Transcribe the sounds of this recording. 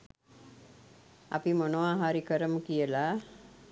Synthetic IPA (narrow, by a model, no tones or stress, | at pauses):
a̰pimonoʋaːɦaɾikəɾəməkijəla